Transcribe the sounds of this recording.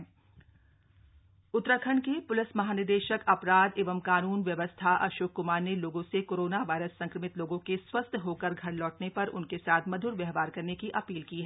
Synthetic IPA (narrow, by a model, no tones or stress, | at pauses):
ʊt̪ːɾəkʰəɳkepʊlɪsmɐɦaːnɪɾd̪eːʃəkɐpɾaːd̪eːʋəmkaːnuːnʋjɐʋəst̪ʰaʔɐ̰ʃoːkːʊmaːɾneloːɡõsekoːɾoːnaʋaːɪɾəsːɐ̃ŋkɾəmɪt̪loːɡõkeswɐst̪ʰɦoːkəɾɡʱɐɾlɔːʈnepɐɾʔʊnkesaːt̪ʰmɐd̪ʱʊɾʋɛɦʋaːɾkɐɾnekiʔɐpiːlkiɦɛ